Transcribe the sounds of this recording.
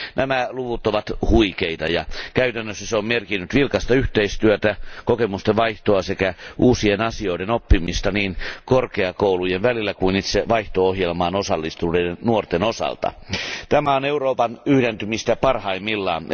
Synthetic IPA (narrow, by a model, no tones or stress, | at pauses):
nʔæmæluʋut̪oʋɑt̪huikeit̪ɑ̰jɑ̰kæyt̪ænːøsːæseommerkinːyt̪ʋilkɑst̪ɑyht̪eist̪yøt̪ækokemust̪eʋɑiht̪oɑsekæʔuːsienɑsio̞idenopːimist̪ɑniːnkorkeɑkoulujenʋælilːækuinit̪seʋɑiht̪oohjelmɑːnosɑlːist̪udeennuort̪enosɑ̰lt̪ɑ̰t̪æmæoneuroːpɑnyhdent̪ymist̪æpɑrhɑimːilːɑ̰ːn